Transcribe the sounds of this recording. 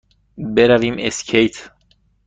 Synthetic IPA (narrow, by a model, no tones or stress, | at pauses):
beɾævimescʰejt̪ʰ